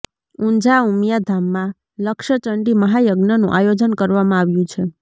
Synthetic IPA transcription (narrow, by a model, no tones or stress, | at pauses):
ũɲd͡ʒaumjad̪ʱamːã | ləkʃət͡ʃəɳɖiməɦajəɡnənṵ̃ʔajod͡ʒənkəɾʋamãaʋjũt͡ʃʰe